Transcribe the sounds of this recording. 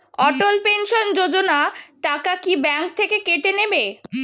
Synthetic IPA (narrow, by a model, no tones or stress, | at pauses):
ɔʈolpenʃond͡ʑod͡ʑonaʈakakibɛŋk̚t̪ʰekekeʈenebe